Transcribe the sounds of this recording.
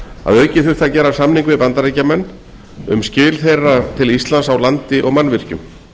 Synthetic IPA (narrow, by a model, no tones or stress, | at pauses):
a̰ðœːɥcɪθʏ̥t̪θacɛːɾasamniŋkvɪpant̪aɾejcamɛnː | ʏ̰mscɪːlθejrat̪ʰɪlist̪lansawlant̪ɪʔɔɣmanːvɪr̥cʏm